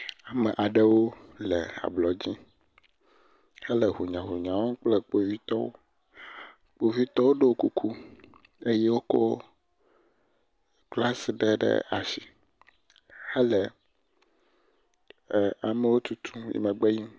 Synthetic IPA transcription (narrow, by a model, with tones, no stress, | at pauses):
a˨me˨ʔa˨ɖe˦wo˦le˨a̰˨blɔ˨d͡ʑĩ˦ | he˦lɛ˨ɦu˨ɲã˨ɦu˨ɲã˨wo˦k͡ple˦k͡po˨vi˦t̪ɔ˦wo̰˦ | k͡po˨vi˦t̪ɔ˦wo˦ɖe˦wo˦ku˦kʰu˦ | e˦je˦wo˦ko˦ | k͡pla˦se˨ɖe˦ɖḛ˦a̰˨si˨ | hɛ˦le˨ | a˨me˨wo˦t̪u˦t̪ʰũ˦jḭ˦mɛ̃˨ɡ͡be˦ji˦m